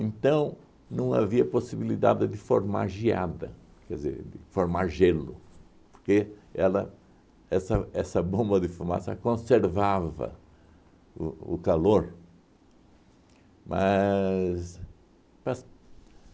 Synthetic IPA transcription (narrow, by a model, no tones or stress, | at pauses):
ẽnt̪ɐ̃w̃ | nɐ̃w̃a̰viɐposibilid̪a̰d̪ɪd̪ɪfoɾma̰ɾʒia̰d̪ɐ̰ | kɛd̪zḛɾd̪ɪfoɾmaɾʒelʊ | po̥ɾkeɛlɐ | ɛsɐɛsɐbõmbɐd̪ɪfuma̰sɐkõseɾvavɐ̰ | ʊʊkaloɾ | mʔɐ | s | pas